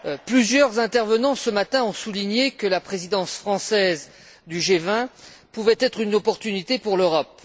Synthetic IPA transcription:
plyzjœʁzɛ̃t̪ɛʁvənɑ̃səmat̪ɛ̃ɔ̃suliɲekəlapχezid̪ɑ̃sfχɑ̃sɛz | d̪yʒevɛ̃ | puvɛt̪ɛt̪χynɔpɔʁt̪ynit̪epuʁløʁɔp̚

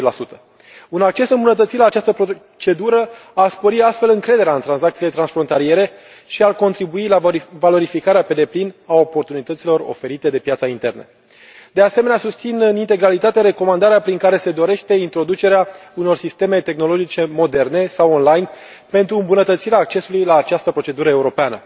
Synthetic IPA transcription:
lasut̪ə̥ | unak̚t͡ʃe̞sɨmbunət̪̬ət̪silaːt͡ʃast̪əpɾo | t͡ʃe̞d̪uɾəaspoɾiast̪fe̞lɨŋkɾe̞d̪e̞ɾeaɨnt̪ɾanzakt̪sile̞t̪ɾansfɾo̞nt̪alie̞ɾe̞ | ʃiarko̞nt̪ɾibuilavalo̞ɾifikaɾeape̞d̪e̞plinao̞po̞rt̪unit̪ət̪silo̞ro̞̰fe̞ɾit̪e̞d̪e̞pjat̪saint̪e̞̰rnḛ | d̪e̞ase̞me̞neasust̪sinɨnint̪e̞ɡɾalit̪at̪eɾe̞ko̞mand̪aɾeapɾiŋkaɾe̞se̞d̪o̞ɾe̞ʃt̪e̞int̪ɾo̞d̪ut͡ʃe̞ɾeauno̞rsist̪e̞me̞t̪e̞xno̞lo̞d͡ʒit͡ʃe̞mo̞d̪e̞rne̞sawonlajn | pe̞nt̪ɾuɨmbunət̪ət̪siɾeaːk̚t͡ʃe̞sulujlaːt͡ʃast̪əpɾo̞t͡ʃe̞d̪uɾəe̞uɾo̞peanə̰

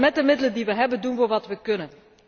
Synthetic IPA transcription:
mɛt̚dəmɪdələndiʋəɦɛbəndunvʊːrɹʋɑtʋəkɵnən

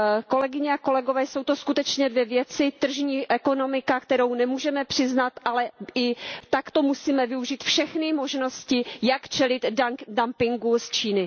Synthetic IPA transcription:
ko̞lɛɡɪɲɛako̞lɛɡovɛːso̞wt̪oskut̪ɛt͡ʃɲɛdvjɛvjɛt͡sɪt̪r̩ʒɲiːʔɛko̞no̞mɪkakt̪ɛɾo̞wnɛmuːʒɛmɛpr̝̥ɪznat̪ʔalɛɪt̪akt̪o̞musiːmɛvɪuʒiːt̪fʃɛxnɪmo̞ʒno̞scɪjakt͡ʃɛlɪt̪dampɪŋɡust͡ʃiːnɪ

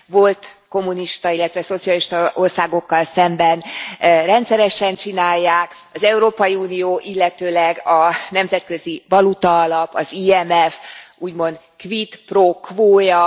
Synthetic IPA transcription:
vo̞lt̪ko̞mːuniʃt̪ɒilːɛt̪ʋɛso̞t̪siɒliʃt̪o̞rsaːɡo̞kːɒlsɛmbɛnrɛnt̪sɛɾɛʃɛnt͡ʃinaːjːaːk | ɒzɛuɾoːpɒjiuːnijoːʔilːɛt̪øːlɛɡɒnɛmzɛt̪̚kø̞zibɒlut̪ɒːlɒpɒziːɛmɛfuːɟmo̞nt̪ | kʋit̪prokvoːjɒ

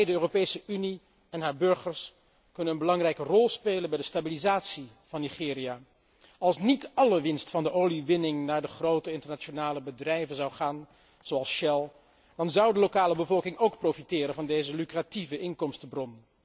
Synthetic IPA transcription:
ɛjdəøːropejsəʔyni | ɛnɦaːɹbɵɹχəɹs | kɵnənənbəlɑŋrɛjkərɔlˠspejlənbɛjdəstabilizaːtsi | v̥ɑnːiχɪːria | ɑlˠsnitɑləʋɪnstfɑndəʔowliʋɪnɪŋnaːɹdəχrowtəɪntəɹnat͡ʃonaːləbədrɛjvənzɑwχaːn | z̥oɑlˠsʃɛlˠ | d̥ɑnzʌwdəlokaːləbəvɔlˠkɪŋowkprofitɪːɾənvɑndejzəlykrativəʔɪnkɔmstbrɔn

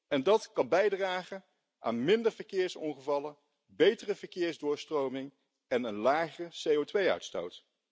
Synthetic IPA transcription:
ɛndɑtkɑnbɛjdraːχə | ʔa̰ːnmɪndəɹvəɹkɪːɹsɔŋχəvɑlə | bejtərəvəɹkɪːɹzdʊːɹstrowmɪŋ | ɛnənlaːχəsejowtʋejœ̰ɥtsto̰wt

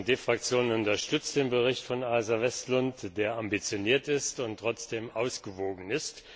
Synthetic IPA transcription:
deːfʁ̥ak̚t͡sjoːnənʊntɐʃtʏt͡st̚d̥eːnbəʁɪçtfɔnaːzɐvɛstlʊntd̥eːɐʔambit͡sjoniːɐtɪstʊntʁ̥ɔt͡sd̥eːmʔaʊsɡ̥əvoːɡŋ̩ɪst

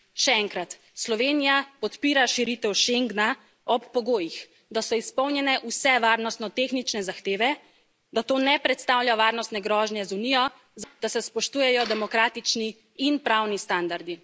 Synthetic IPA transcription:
ʃɛɛŋkɾat̪ | slɔʋenijapɔt̪piːɾaʃiɾit̪ɛwʃeŋɡna | ɔpːɔɡoːjix | d̪asɔispɔwnjɛnɛʔusɛʋaːɾnɔst̪nɔt̪exnit͡ʃnɛzaxt̪eːʋɛ | d̪at̪oːnɛpɾɛt̪st̪aːwlʎaʋaːɾnɔst̪nɛɡɾɔːʒnjɛzunijɔ | zad̪̥asɛspɔʃt̪uːjɛjɔd̪ɛmɔkɾaːt̪it͡ʃni | inpɾawnist̪and̪aɾd̪i

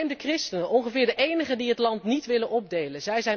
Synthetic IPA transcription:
mdəkrɪstənənʔɔŋχəvɪːɹdəʔejnəχədiɦətlɑntnitʋɪlənʔɔb̚dejlənzɛjzɛ

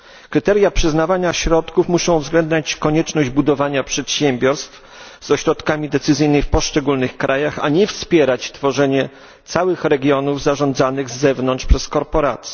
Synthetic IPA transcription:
kɾɘt̪ɛɾjapʂɘznavaɲaɕɾɔt̪kufmuʂɔ̃w̃vzɡlɛnd̪ɲat͡ɕkɔɲɛt͡ʂnɔʑd͡ʑbud̪ɔvaɲapʂɛt̪ɕɛmʲbʲjɔɾst̪f | zɔɕɾɔt̪kamʲid̪ɛt̪sɘzɘjnɘjfpɔʂt͡ʂɛɡulnɘxkɾajaxa̰ɲɛfspʲjɛɾat͡ɕt̪fɔʐɛɲɛ | t̪sawɘxɾɛɡʲjɔnuvzaʐɔ̃nd̪zanɘɣzːɛvnɔnʂpʂɛskɔɾpɔɾa̰t̪sʲjɛ

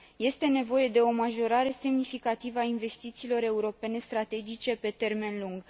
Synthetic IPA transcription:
je̞st̪e̞ne̞vo̞je̞d̪e̞o̞maʒo̞ɾaɾe̞se̞mnifikat̪ivəainve̞st̪it̪siːlo̞ɾe̞uɾo̞pe̞ne̞st̪ɾat̪e̞d͡ʒit͡ʃe̞pe̞t̪e̞rme̞nluŋɡ

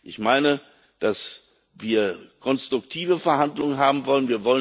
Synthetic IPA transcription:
ʔɪçmaɪnə | d̥as | viːɐkʰɔnstʁ̥ʊktʰiːvəfɛɐhandlʊŋənɦaːbm̩vɔlənviːɐvɔlə

